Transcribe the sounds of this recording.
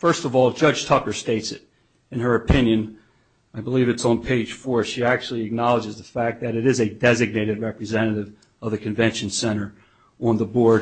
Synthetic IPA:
fɜ˞stʌvɔlˠd͡ʒʌd̥ʒ̥tʰʌkə˞steɪtsɨɾ | ɨ̃nə˞ɨpʰɪ̃njɨ̃n | aɪbəlivɨtsn̩pʰeɪd̥ʒ̥fɔɹʃiæk̚t͡ʃul̩ˠiɨk̚nɑlˠəd͡ʒɨzðəfæk̚ðɨɾɨɾɨzɨdɛzɨɡ̚neɪɾɨd̚ɹɛpɹɨzɛ̃ɾ̃ɨɾɪv | ʌvðɨkʰɨ̃ɱvɛ̃nʃɨ̃n̩sɛ̃ɾ̃ə˞ | ə̃nðəbɔɹd

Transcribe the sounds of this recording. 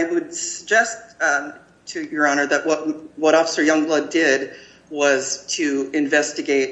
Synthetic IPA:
ɪwɨdsəɡ̚d͡ʒɛstʰ | ɨjə˞ɑnə˞ðɨʔ̚wʌt̚wʌɾɔfə̥sə˞jʌ̃ŋblʌddɪd̚ | wʌz̥tʰɨɨ̃ɱvɛstɨɡeɪt̚

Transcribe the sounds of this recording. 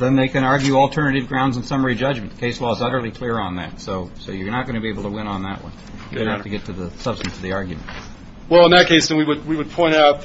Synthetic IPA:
ðɨ̃nðeɪkɨ̃nɑɹɡjʉɔlˠtʰɜ˞nɨɾɨvɡɹãʊ̃ndzn̩sʌmə˞id͡ʒʌd͡ʒm̃n̩kʰeɪslɔəzʌɾə˞lˠikʰl̥ɪɹə̃nðæ̰tsoʊsoʊjə˞nət̚ɡ̥ʌñɨbieɪbl̩ˠtʰəwɪ̃ñə̃nðə̰ʔ̚wʌ̰̃ɪ | jɨɡhæfftɨɡɛtʰɨðəsʌb̥stn̩sʰʌvðiɑɹɡjɨmɨ̰̃nt̚ | wɛlˠə̃nðɨt̚kʰeɪsðɨ̃nwiwɨd̚wiwəd̚pʰɔ̃ɪ̃naʊt̪̚

